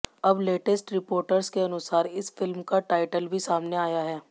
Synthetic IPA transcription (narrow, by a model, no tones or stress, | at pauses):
ɐbleːʈəsʈɾɪpoːɾʈəɾzkeɐnʊsaːɾɪsfɪlmkaʈaːɪʈəlbʱisaːmneaːjaɦɛː